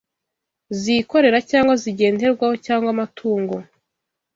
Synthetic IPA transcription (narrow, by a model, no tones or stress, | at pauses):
ziko̞ɾe̞ɾacaːŋɡwaziɟe̞ːnde̞ɾɡwaho̞caːŋɡwamatʰuːŋɡo̞